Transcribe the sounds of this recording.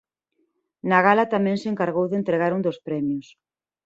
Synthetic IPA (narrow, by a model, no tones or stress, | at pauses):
naɣalat̪amɛ̃ŋseŋkaɾɣowðent̪ɾeɣaɾund̪ospɾɛmjʊs